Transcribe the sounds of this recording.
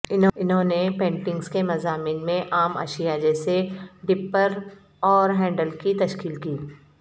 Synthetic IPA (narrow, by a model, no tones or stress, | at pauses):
ɪnɦɪnɦõːnepẽːɳʈɪ̃ŋɡskemɐzaːmɪːnmẽʔaːmɐ̰ʃijad͡ʒɛːseɖɪpːəɾ | ɔːɾɦɛ̃ːɳɖəlkit̪ɐʃkiːlkiː